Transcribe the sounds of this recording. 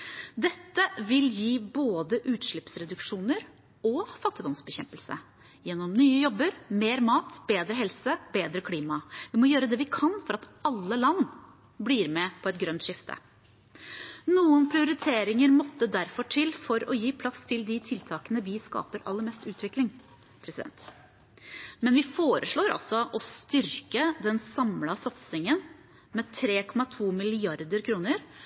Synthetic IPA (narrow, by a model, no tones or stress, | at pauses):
d̪ɛt̪ːəʋɪljiːboːd̪əʔʉːt̪ʂɭɪpsɾɛd̪ʉkʂuːnəɾ | ɔfɑt̪ːɪd̪ɔmsbɛçɛmpəlsə̰ | jɛnːɔmnyːəjɔbːəɾmeːɾmɑːt̪b̥eːd̪ɾəɦɛlsəbeːd̪ɾəkʰliːmɑʋɪmɔjøːɾəd̪ɛːʋɪkʰɑnfɔɾɑt̪ɑlːəlɑnː | bliːɾmɛpʰɔɛt̪̚ɡɾœnt̪ʂɪft̪ʰə̰ | nuːənpʰɾɪʊɾɪt̪ʰeːɾɪŋəɾmɔt̪ːəd̪æɾfɔʈʰɪlfɔɾɔjiːpʰlɑst̪ʰɪld̪ɪt̪ʰɪlt̪ʰɑːkənəʋɪskɑ̰ːpəɾʔɑ̰lːəɾmɛst̪ʉːt̪ʰʋɪklɪŋ | pʰɾɛsɪd̪ɛ̰nt̪ | mɛnʋɪfoːɾəʂɭoːɾɑ̰lsɔʔɔst̪ʏɾkəd̪ɛnsɑmlɑsɑt̪sɪŋən | mɛt̪ʰɾeːkʰɔmɑt̪ʰuːmɪlɪɑɾd̪əɾkʰɾuːnəɾ